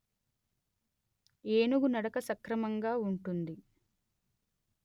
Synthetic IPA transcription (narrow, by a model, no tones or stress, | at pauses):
eːnuɡunɐɽɐkɐsɐkɾɐmɐŋɡaːuɳʈund̪i